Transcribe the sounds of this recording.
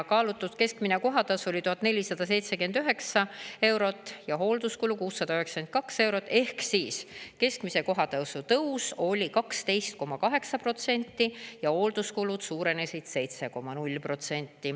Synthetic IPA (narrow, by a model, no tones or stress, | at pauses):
kɑːlut̪ːˑut̪ke̞skmineko̞ɦɑt̪ɑso̞lʲit̪uɦɑt̪ːˑnelʲisɑd̪̥ɑs̬e̞jt̪sekyend̪̥yɦe̞ksɑe̞wɾo̞t̪ːˑjɑɦo̞ːld̪̥uskulukuːsːɑd̪̥ɑyɦeksɑ̥ken̚kɑkse̞wɾo̞t̪ːˑe̞hksiːske̞skmise̞ko̞ɦɑt̪ɑsut̪ɤwso̞lʲikɑkst̪e̞jst̪̚ko̞mɑkɑɦe̞ksɑpro̞t̪se̞nʲt̪ːijɑho̞ːld̪̥uskulud̪̥suːɾe̞nesid̪̥se̞jt̪se̞ko̞mɑnulʲːpro̞t̪se̞nʲt̪ːˑi